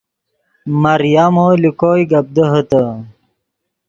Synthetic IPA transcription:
mɐɾjamoːlikoːjɡɐb̚d̪əɦət̪ə

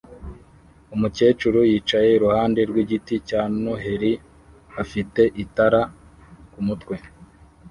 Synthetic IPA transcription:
umuce̞ːt͡ʃuɾujiːt͡ʃaje̞iɾuhaːnde̞ɾɡwiɟiticaːnoɦe̞ɾi | afite̞ʔitaɾa | kumutkwe̞

